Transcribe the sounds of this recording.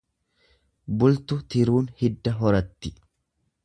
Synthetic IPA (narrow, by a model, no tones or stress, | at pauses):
bʊlt̪ʊt̪ɪɾuːnhɪd̪ːɐɦɔɾɐt̪ːɪ